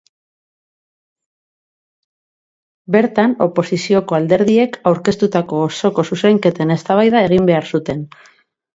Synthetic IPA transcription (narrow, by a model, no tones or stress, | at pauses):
be̞ɾt̪ano̞̰po̞sisio̞ko̞ald̪e̞ɾð̞ie̞kawɾke̞st̪ut̪ako̞ːso̞ko̞suseŋke̞t̪e̞ne̞st̪aβajðae̞ɣ̞imbe̞aɾsut̪e̞n